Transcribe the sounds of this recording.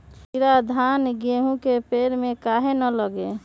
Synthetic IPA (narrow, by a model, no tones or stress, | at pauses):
iɾad̪ʱanɡeɦũkepeɾmekaɦenələɡe